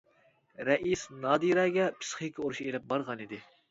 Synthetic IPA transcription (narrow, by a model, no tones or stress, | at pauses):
ɾɛʔisnɑːd̪iɾɛːɡʲɛpʰɨ̥sχikʲʰioɾuʃielɛp̚bɑɾʁɑnid̪ɪ